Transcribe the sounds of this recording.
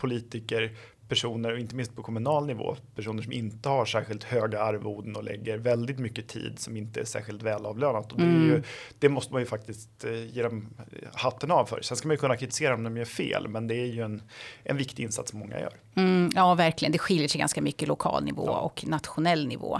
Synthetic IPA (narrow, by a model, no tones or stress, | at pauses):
pʰʊliːt̪ɪkəɾ | pʰæʂuːnəɾɔɪnt̪əmɪnst̪̚pʰɔkʰɔmɵnɑːlnɪvo̰ːpʰæʂuːnəʂɔmɪnt̪əhaʂæːɾɧɪlt̪høːɡaaɾvuːd̪nɔlʔɛ̰ɡːəɾvɛld̪ɪt̪mʏkːət̪ʰḭːd̪sɔmɪnt̪əæʂæ̰ːɾɧɪlt̪vɛːlɑːvløːnat̪ɔd̪ɛɾjɵd̪̥ɛmɔst̪əmanjɵfak̚t̪ɪst̪jeːd̪ɔmhat̪ːənɑvfœ̰ːɾsɛnskamanjɵkʰɵnːakʰɾɪt̪ɪ̥seːɾaɔmd̪ɔmjœfḛːlmɛnd̪ɛæɾjɵɛnʔɛ̰nvɪkt̪ɪɪnsa̰t̪sɔmːɔŋːa̰jœ̰ːɾ | m̩jɑːvæɾklɪɡənd̪ɛɧɪljəʂɛɪjɡa̰nskamʏkːəlʊkʰɑ̰ːlnɪ̰vo̰ːɔ̰knat̪ɧʊnɛlːnɪvo̰ː